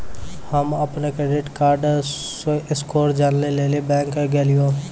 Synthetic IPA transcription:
həməpnekɾeɖɪʈkaːɾɖ | ʔɪskoːɾd͡ʒaːnleleːlibɛ̃ːŋkeɡeːlɪjõː

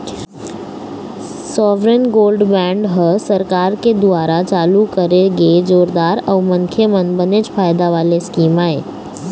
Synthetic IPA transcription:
sɔʋɾenɡoːlɖbɛ̃ɳɖɦəsəɾkaːɾked̪ʊaːɾat͡ʃaːlukəɾeɡezoːɾd̪aːɾəʋməŋkʰemənbəned͡ʒpʰaːjd̪aʋaːleskiːmaːḛː

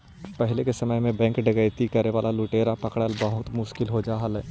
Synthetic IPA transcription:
pɛɦɪlekesɐməjmẽbɛ̃ːŋkɖɐɡəjt̪ikɐɾeʋaːlaluːʈeːɾapɐkɽəlbɐɦʊt̪mʊʃkɪlɦod͡ʒaːɦɐlɛ

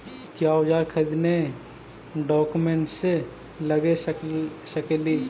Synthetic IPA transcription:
kjaːʊd͡ʒaːɾkʰɐd̪ne | ɖɔːkumẽɳʈse | lɐɡe | sɐkeli

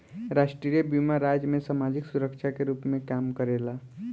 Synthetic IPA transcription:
ɾaʃʈɾijəbjimaɾaːd͡ʒmẽsamad͡ʒɪksuɾəkʃʰakeɾuːpmẽkaːmkəɾeːla

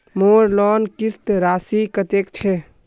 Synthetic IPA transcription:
moɾlɔːnkist̪ɾaːsikət̪ekt͡ʃʰɛ

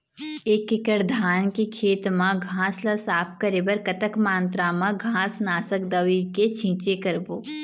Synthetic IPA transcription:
eːkːɪkəɾd̪ʱaːnkekʰeːt̪mãɡʱãːslasaːp̚ʰkəɾeːbəɾkɐt̪əkmãːnt̪ɾamãɡʱãːsnaːsəkd̪ɐʋiket͡ʃʰĩːt͡ʃekɐɾboː

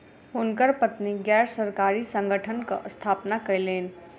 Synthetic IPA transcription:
ʊnkəɾpət̪niɡɛːɾsəɾkaːɾisə̃ŋɡʱəʈʰənka̰ʔst̪ʰaːpnakɐleːn

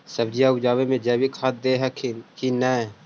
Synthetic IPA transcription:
səbd͡ʒijaʊd͡ʒaːʋemẽd͡ʒɛːbikʰat̪̚d̪eɦɛkʰkinɛː

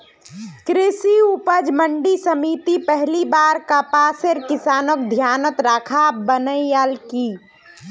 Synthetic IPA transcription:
kɾɪsiupəd͡ʒmə̃ɳɖisəmiːt̪ipɛɦlibaːɾkapaːseɾkɪsaːnokd̪ʱjaːnət̪ɾaːkʰabənəijaːlkiː

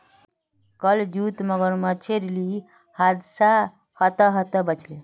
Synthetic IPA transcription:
kəld͡ʒut̪məɡəɾmət͡ʃʰeɾli | had̪sa | hət̪əɦət̪əbət͡ʃʰle

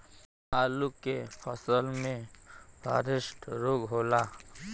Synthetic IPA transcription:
aːlukepʰəsəlmẽbʱa̰ɾɪsʈɾoːɡɦoːlaː

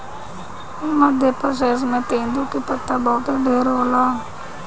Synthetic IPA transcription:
məd̪ʱjepəɾs̬eːs̬mẽt̪ẽːnd̪ukipət̪ːabɔːʊt̪eɖeːɾɦoːlaː

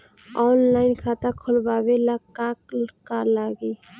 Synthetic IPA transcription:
ɔːnlaːɪnkʰat̪akʰʊlbaːbelakakkalaɡe

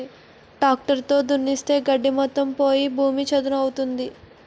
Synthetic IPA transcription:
ɖaːk̚ʈɐɾt̪o̞ːd̪unːist̪e̞ːɡɐɖːimɔt̪ːɐmpo̞ːjibʱuːmit͡ʃɐd̪ɐnɐɐwut̪und̪i

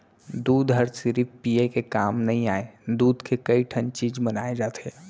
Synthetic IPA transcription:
d̪uːd̪ɦɐɾsɪɾipiekekaːmnɐɦĩaːed̪uːd̪kʰekɐiʈʰə̃nt͡ʃiːd͡ʒbənaːed͡ʒaːt̪eː

